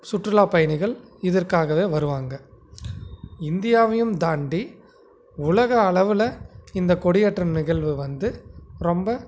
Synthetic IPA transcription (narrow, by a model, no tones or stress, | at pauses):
sʊʈrɯlaːpɐjɐnɪɣɐɭɪðɐrkaːɣɐʋeːʋɐɾɯʋaːŋɡɐ | ɪnd̪ɪjaːʋɐjɯmd̪aːɳɖi | ʊɭɐɣɐːɭɐʋɯlɐɪnd̪ɐkɔɽɪjɐʈrɐnnɪɣɐɭʋɯʋɐnd̪ɯɾɔmbɐ